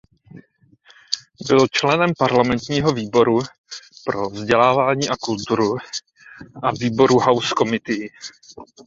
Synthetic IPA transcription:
bɪlt͡ʃlɛnɛmpaɾlamɛnt̪ɲiːɦo̞viːbo̞ɾu | pɾo̞vzɟɛlaːvaːɲiːʔakult̪uɾu | ʔaviːbo̞ɾuɦawsko̞mɪt̪ɪ

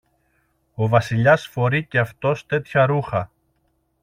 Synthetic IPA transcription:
o̞vɐsiʎɐsfo̞ɾiceɐft̪o̞st̪e̞t̪çɐɾuxɐ

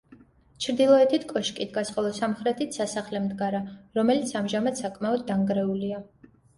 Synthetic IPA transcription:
t͡ʃʰɾd̪ilˠɔɛt̪ʰit̪ʰkʼɔʃkʼit̪ʰɡasχʼɔlˠɔsamχɾɛt̪ʰit̪ʰsasaχlɛmd̪ɡaɾaɾɔmɛlit̪sʰamʒamad̪sakʼmaɔd̪ːaŋɡɾɛulia

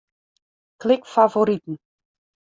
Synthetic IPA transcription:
klɪkfavoɾitn̩

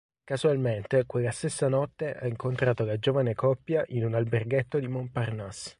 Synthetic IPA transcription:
kazualment̪ekwelːast̪esːanɔt̪ːeʔaiŋkont̪ɾaːt̪olad͡ʒoːvanekɔpːjaʔinunalberɡet̪ːod̪imomparnas

